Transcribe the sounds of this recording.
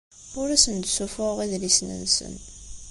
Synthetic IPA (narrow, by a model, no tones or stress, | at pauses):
ʊɾæsənd̪sufʊʁiðlisnə̰nsə̰n